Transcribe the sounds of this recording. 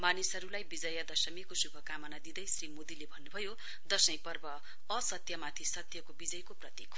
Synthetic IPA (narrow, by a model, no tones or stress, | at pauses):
manisɦʌɾulajbid͡zʌjʌd̪ʌsʌmikosubʱʌkamʌnad̪id̪ʌjsrimod̪ilebʱʌnːubʱʌjo | d̪ʌsʌj̃pʌrbʌ | ʌsʌt̪jʌmat̪ʰisʌt̪jʌkobid͡zʌjkoprʌt̪ikʰ